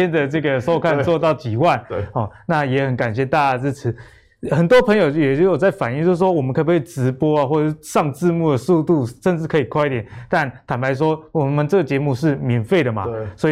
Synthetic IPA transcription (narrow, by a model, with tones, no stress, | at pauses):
ɛ˥nd̪ə˨ʈ͡ʂɤ˥˩ɡə˨˩ʂo˥ʊkʰa˥˧nt͡swɔ˥˧t̪ɑ˥˩ʊt͡ɕi˨˩wa˥˩nɔ˥˩na˥˩jɛ˧˥xə˧˥nka˨˩nɕjɛ˥˧t̪a˥˧t͡ɕa˥˧t͡sɻ̩˥˧˩ʈ͡ʂʰɻ̩˧˥˦ | xə˨˩nt̪wɔ˥pʰə˧˥ŋjo˨˩ʊjɛ˨˩t͡ɕjo˨˩t͡sa˥˩ɪfa˨˩ni˥˧ŋt͡ɕjo˥˧ʂ̩˥˩ʂwɔ˥wɔ˨˩mə˦kʰpwe˥˩ʈ͡ʂɻ̩˧˥pwɔ˥a˨xwɔ˥˧ʈ͡ʂə˧ʂʂɑ˥˧ŋt͡sɹ̩˥˧mu˥˩d̪ə˩su˥˧t̪u˥˩ʂə˥˧nʈ͡ʂɻ̩˥˩kʰɤ˧˥i˨˩kʰwa˥˧ɪi˥t̪jɛ˨˩nt̪a˥˩nt̪ʰa˨˩npʰa˧˥ɪʂ̬wɔ˥wɔ˨˩mə˨nʈ͡ʂɤ˥˩ɡə˩t͡ɕjɛ˧˥mu˥˧ʂ̬ɻ̩˥˩mjɛ˧˥nfe˥˩ɪd̪ə˩mɐ̰˩swɔ˧˥i˨